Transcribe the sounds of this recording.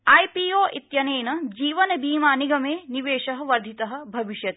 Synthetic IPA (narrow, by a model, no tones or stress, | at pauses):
aːjpiːoːʔit̪jɐneːnɐd͡ʒiːʋɐnɐbiːmaːniɡɐmeːniʋeːʃɐɦɐ̆ʋɐɾd̪ʱit̪ɐɦɐ̆bʱɐʋiʃjɐt̪